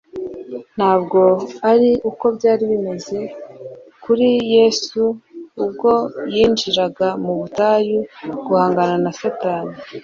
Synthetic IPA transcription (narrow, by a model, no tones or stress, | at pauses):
n̥haːbɡo̞aɾiuko̞bɟaːɾiβime̞ze̞ | kuɾijesuːb̚ɡo̞jiːnd͡ʒiɾaɡamuβutaːjuɡ̥uhaːŋɡananasataːni